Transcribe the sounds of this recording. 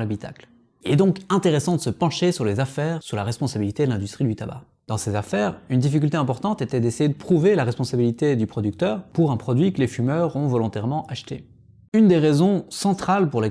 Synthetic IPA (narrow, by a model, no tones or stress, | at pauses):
labit̪a̰kl | ilɛd̪ɔ̃kɛ̃t̪eʁesɑ̃d̪əsəpɑ̃ʃesyʁlezafɛʁsyʁlaʁɛspɔ̃sabilit̪ed̪əlɛ̃d̪yst̪χid̪yt̪aba̰ | d̪̥ɑ̃sezafɛʁynd̪ifik̬ʲylt̪eɛ̃pɔʁt̪ɑ̃t̪et̪ɛd̪esejed̪əpχuvelaʁɛspɔ̃sabilit̪ed̪ypχɔd̪yk̚t̪œːʁpuʁɛ̃pχɔd̪ɥikəlefymœʁɔ̃vɔlɔ̃t̪ɛʁmɑ̃ʔaʃt̪ḛ | ynd̪eʁezɔ̃sɑ̃t̪χalpuʁle